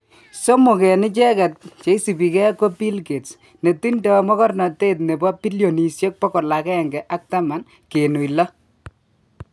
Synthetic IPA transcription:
so˦mo˨kɛ˨nɪ˦t͡ʃɛ˦kɛ˨t̚t͡ʃe˨˦i˦si˨bi˨kɛ˦ko˦pi˦lke˨ts | ne˨ti˦ndɔ˨mɔ˦kɔ˦rna˨te˦t̬ne˨bɔ˦pi˦ljo˨ni˨sje˦k̚pɔ˦kɔ˨la˨kɛ˦ɛ˨ŋɡɛ˨ʔa˦k̚ta˦ma˨n | ke˨nu˨jlɔ˦

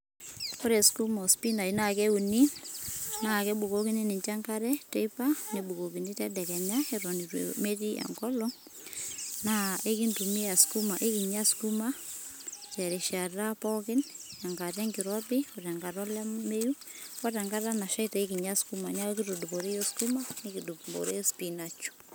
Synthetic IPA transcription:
ɔ˦ɾɛ˨sku˦ma˨ɔ˨spi˦na˨i˨na˦˨kɛ˦u˨ni˦ | na˨kɛ˦bu˨ko˦ki˦nɪ˦nɪ˨ɲt͡ʃa˦ŋka˦ɾɛ˦te˦ipa˦nɛ˨bu˨ko˨ki˨ni˦tɛ˦dɛ˨kɛ˨ɲa˦ɛ˨ɾɔ˨ni˨ɾḛme˦ti˦ʔa̰˨ŋkɔ˦lɔ | na˦ʔe˦ki˦ntu˨mi˦a˨sku˦ma˨ʔe˦ki˨ɲa˦sku˦ma˦ | t͡ʃɛ˨ɾɛ˨ʃa˨ra˦pɔkɪ˦nja˨ŋɡa˨ɾɛ˦ŋɡiɾɔpɪ˦ɔ˨tɛ˨ŋɡa˨ɾɔ˦la˦me˦ju˦kɔ˦tɛ˨ŋɡa˦ɾa˦na˨ʃa˦ita˨i˦ki˨ɲa˦sku˦ma˨ɲa˦ki˦tu˨du˨bɔ˨ɾe˦jo˦sku˦ma˦ni˦ki˨du˨bɔ̰˨ɾe˦spi˨na˨t͡ʃu̥

